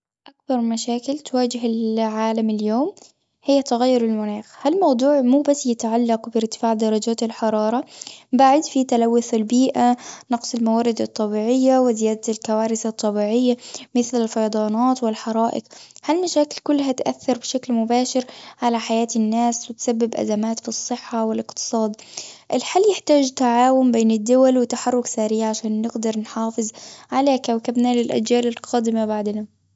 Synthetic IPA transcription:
ʔakbɑɾˤmaʃaːkɪlt̪waːd͡ʒɪɦɪlʕaːlamɪljoːm | hɪjːat̪ʊɣajːʊɾɪlmʊnaːxhalmɑwd̪ˤuːʕmuːbasːjɪt̪ʕalːɑqbɪɾt̪ɪ̥faːʕd̪ɑɾˤɑd͡ʒaːt̪ɪlħɑɾˤɑːɾˤɑbaʕɪd̪fit̪alawːʊθɪlbiːʔanɑqsˤɪlmawaːɾɪd̪ɑt̪ˤːɑbiːʕɪjːawɪzɪjaːd̪alkawaːɾɪθɑt̪ˤːɑbiːʕɪjːamɪθlɪlfɑjɑd̪ˤɑːnɑːt̪wɪlħɑɾˤɑːʔɪ̰qhalmaʃaːkɪlkʊlːɦat̪ʔaθːɑɾˤbɪʃaklmʊbaːʃɪɾʕalaħajaːt̪ɪnːaːswɪt̪sabːɪbʔa̰zamaːt̪fisˤːɨħːawɪlɪqt̪ɨ̥sˤɑːd̪ʔɪlħalːjɪħt̪aːd͡ʒt̪aʕaːwʊmbeːnɪd̪ːʊwalwɪt̪aħɑrˤːʊksaːɾiːʕʕaʃaːnːɪɡd̪ɑɾˤnħɑːfɨzˤʕalaːkawkabnalɪlʔa̰d͡ʒjaːlɪlqɑːd̪ɪmabaʕd̪na

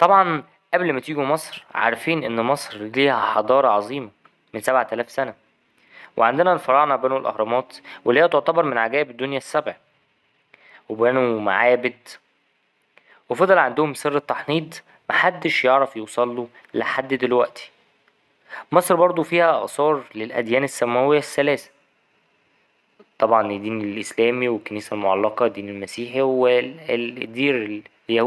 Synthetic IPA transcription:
t̪ˤɑbʕɑn | ʔæblmæt̪iːɡumɑsˤɾʕa̰ɾˤæfiːnʔenːmɑsˤɾliːhæħɑd̪ˤɑːɾˤɑʕɑzˤiːmɑ | mensæbʕat̪ælæːfsænæ | wʔḛʕand̪enænfɑɾˤɑʕnɑbæːnulʔɑ̰hɾˤɑmɑːt̪welːeːæt̪oʕt̪ɑbɑɾˤmenʕaɡæːbed̪ːonjæsːæbʕi | webæːnuma̰ʕaːbed̪ | wefɑd̪ˤɑlʕand̪ohomserːet̪ːɑħniːd̪ˤ | mæħad̪ːeʃjeʕɾɑfjuwsˤɑlːu | leħad̪ːd̪elwæʔt̪ʰi̥ | mɑsˤɾbɑɾˤd̪ˤofiːhæʔɑ̰ʔsˤɑːɾˤlelʔæ̰d̪jæːnesːæmæwejːæsːælæːsæ̥ | t̪ˤːɑbʕɑnd̪ːiːnelʔeslæːmiwekːæniːsælmoʕɑ̰lːɑqɑd̪ːiːnelmæsiːħiweld̪ːiːɾljæ

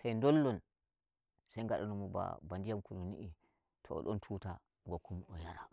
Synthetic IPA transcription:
sajndɔlːɔn | sajŋɡaɗanɔmuba̰bandijamkununḭʔi | tʰɔɔ̰ɗɔntʰuːta | ŋɡɔkːumɔjaɾa̰

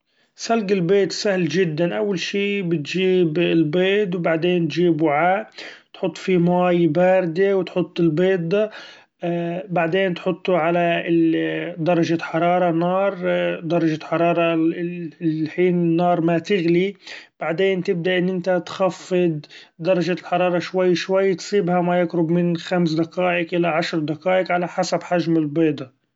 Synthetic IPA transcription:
salɡɪlbeːt̪sahlʒɪd̪ːanʔawːalʃiːbɪt̪ʒiːbɪlbeːt̪̬wbaʕd̪eːnt̪ʒiːbwʕaːʔt̪ħʊt̪ˤːfimaːjbaːɾd̪ewt̪ħʊt̪ˤːɪlbeːd̪a | baʕd̪eːnt̪ħʊt̪ˤːuʕala | d̪ɑɾˤɑʒaħɑɾˤɑːɾˤɑnɑːɾˤd̪ɑɾˤɑʒaħɑɾˤɑːɾˤɑ | ħiːnɪnːɑːɾˤmat̪ɪɣlib̥aʕd̪eːnt̪ɪb̚d̪aʔɪnːʔɪnt̪at̪xafːɪd̪̚ | d̪ɑɾˤɑʒalħɑɾˤɑːɾˤɑʃwajːʃwajːt̪sˤiːbhamajɪkɾʊbmɪnxams̬d̪aqaːʔɪkʔɪlːaʕaʃɾˤd̪akaːʔɪkʕalaħasabħaʒmɪlbeːd̪ˤɑ

